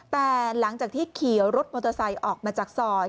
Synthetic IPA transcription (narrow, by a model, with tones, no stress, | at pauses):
t̪ɛː˨˩la˩˦ŋt͡ɕaː˨˩k̚t̪ʰiː˥˩kʰi˨˩˦wɾo˦˥t̪̚moː˧t̪ːsa˧jʔɔː˨˩k̚maː˧t͡ɕaː˨˩k̚sɔː˧